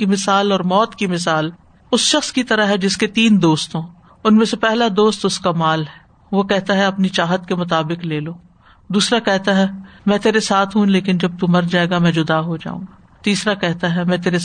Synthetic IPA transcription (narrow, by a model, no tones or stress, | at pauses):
imɪsaːlɔːɾmɔːt̪kimɪsaːl | ʊsʃɐxskit̪ɐɾaɦɛd͡ʒɪsket̪iːnd̪oːst̪õː | ʊnmẽsepɛɦlad̪oːst̪ʊskamaːlɦɛː | ʋokɛɦt̪aɦɛɐpnit͡ʃaːɦət̪kemʊt̪aːbɪkleːloː | d̪uːsɾakɛɦt̪aɦɛmɛ̃ːt̪eːɾesaːt̪ʰɦũleːkɪnd͡ʒɐb̚t̪umɐɾd͡ʒaːeɡamɛ̃ːd͡ʒʊd̪aɦod͡ʒa̰ːṵ̃ːŋɡaː | t̪iːsɾakɛɦt̪aɦɛmɛ̃ːt̪eːɾe